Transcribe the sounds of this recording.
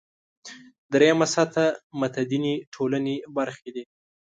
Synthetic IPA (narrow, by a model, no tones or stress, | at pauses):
d̪ɾejamasat̪amat̪ad̪iniʈʰolanebaɾxed̪i